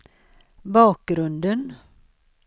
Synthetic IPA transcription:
bɑːk̚ɡɾɵnd̪ən

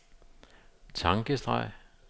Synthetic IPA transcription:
t͡sʰɑ̈ŋɡ̥əsd̥ʁɑ̰̈ɪ̰

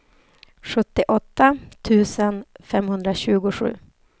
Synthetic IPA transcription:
ɧɵt̪ːɪʔɔt̪ːat̪ʰʉ̟ːsənfɛmːhɵnd̪ɾaɕʉ̟ːɡʊɧʉ̟̰ː

